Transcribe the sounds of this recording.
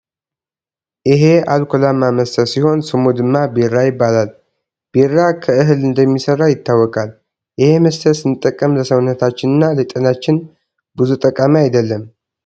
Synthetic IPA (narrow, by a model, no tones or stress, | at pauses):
ʔɪɦe̞ʔalkʰolamːaməst̪ʰəsiho̞nsəmod̪ɨmːabeɾajɪbːalal | b̥erːakʰəɨɦɨlɨnd̪əmːisəɾajɪt̪ʰːawːɔkʼal | jʔɪhe̞məst̪ʰəsɨnːɨt̪ʼːəkʼːəmləsəwnːət̪ʰat͡ʃːɪnɨnːalət̪ʼənat͡ʃːɪn | bɨzut̪ʼəkʼːamajd̪əlːəm